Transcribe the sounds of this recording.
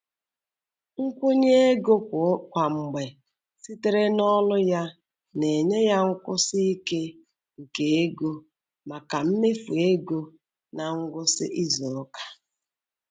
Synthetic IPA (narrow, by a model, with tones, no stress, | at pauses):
ŋ̩˦kʷʊ˦ɲe˦e˦ɡo˦kʷa˨ŋ͡m̩˨ɡ͡be˨ | si˦te˦ɾe˦nɔ˦lʊ˦ja˦ | ne˨ɲe˦ja˦ŋ̩˦kʷʊ˦sɪ˦i˦ke˦ | ŋ̩˨ke˨e˦ɡo˦ | ma˨ka˨m̩˦me˦fu˨e˦ɡo˦ | na˨ŋ̩˦ɡʊ˦sɪ̰˦ʔi˦zɔ˨˦kḁ˦